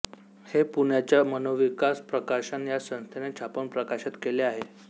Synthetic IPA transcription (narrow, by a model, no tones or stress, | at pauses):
hepuɳjat͡ɕjamənoʋikaspɾəkaɕənjasə̃ñst̪ʰenet͡ɕʰapəɳpɾəkaɕət̪keleaɦe